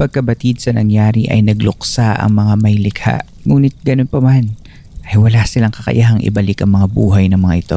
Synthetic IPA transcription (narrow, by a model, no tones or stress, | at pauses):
pɐɡ̚kɐbɐt̪id̪̚sɐnɐŋjaːɾiʔɐ̰jnɐɡlʊksaʔɐ̰ŋmɐŋamɐjlɪkʰa̰ʔ | ŋuːnɪt̪̚ɡɐnonpɐman | ʔɐjwɐlasɪlaŋkɐkɐ̰ʔjʔaɦɐŋʔɪ̰bɐlɪkɐŋmɐŋabuːɦɐjnɐŋmɐŋa̰ʔɪt̪o̰